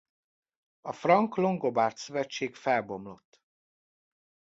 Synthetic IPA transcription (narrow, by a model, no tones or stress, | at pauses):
ɒfrɒŋklo̞ŋɡo̞baːrt̪søvɛt͡ʃːeːkfɛlbo̞mlo̞t̪ː